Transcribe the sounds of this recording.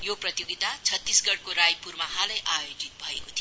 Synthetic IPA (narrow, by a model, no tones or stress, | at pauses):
joprʌt̪joɡit̪at͡sʰʌt̪ːisɡʌɽkoɾajpurmaɦalʌjʔajod͡zit̪̚bʱʌḛkot̪ʰi